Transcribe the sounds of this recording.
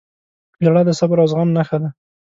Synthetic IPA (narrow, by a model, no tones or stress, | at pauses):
d͡ʒaɽad̪əsabaɾɑzɣamnaxad̪a